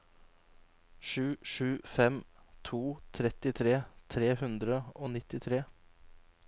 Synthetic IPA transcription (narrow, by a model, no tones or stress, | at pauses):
ʃʉːʃʉːfɛmt̪ʰuːt̪ʰɾɛt̪ɪt̪ʰɾeːt̪ʰɾeːhʉnd̪ɾəoːnɪt̪ɪt̪ʰɾeː